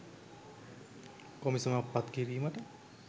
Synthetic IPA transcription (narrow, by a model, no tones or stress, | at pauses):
kɔmisɔnapːat̪kiɾimaʈə